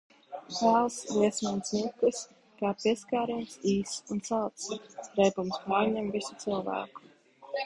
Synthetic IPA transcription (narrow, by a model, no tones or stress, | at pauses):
pæːlˠsliɛsmansnukɨs | kaːpiɛskaːɾimsiːsunt̪salt̪sɾɛjpumspaːɾɲɛmvisu̥t̪silˠvæ̰ːku̥